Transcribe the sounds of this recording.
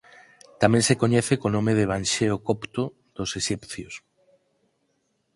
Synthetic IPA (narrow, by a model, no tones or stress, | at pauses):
t̪amɛ̃ŋsekoɲɛθekonõmeðeβ̞ãnʲʃeokopt̪o | ð̥oseʃipθjos